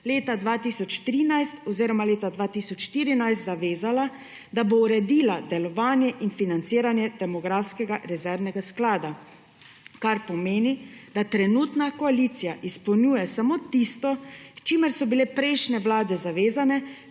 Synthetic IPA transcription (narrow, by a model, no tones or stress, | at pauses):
leːt̪ad̪ʋat̪iːsɔt͡ʃt̪ɾiːnajst̪ɔziːɾɔmaleːt̪ad̪ʋaːt̪isɔt͡ʃʃt̪iːɾinajst̪zaʋeːzala | d̪abowɾɛd̪iːlad̪ɛlɔʋaːnjɛʔinfinant̪siːɾanjɛd̪ɛmɔɡɾaːfskɛɡaɾɛzɛɾnɛɡasklaːd̪a | kaɾpɔmeːnid̪at̪ɾɛnuːt̪nakɔalit̪sijaʔispɔwnjuːjɛsamoːt̪ist̪ɔt͡ʃimɛɾsɔbilepɾɛjʃnɛʋlaːd̪ɛzaʋeːzanɛ